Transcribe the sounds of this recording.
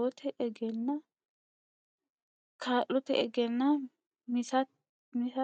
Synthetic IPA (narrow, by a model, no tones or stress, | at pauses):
ɔt̪ʰɛʔɛɡɛnːɐ | kʰaːʔɔt̪ɛʔɛɡɛnːɐ | mɪsɐ | mɪsɐ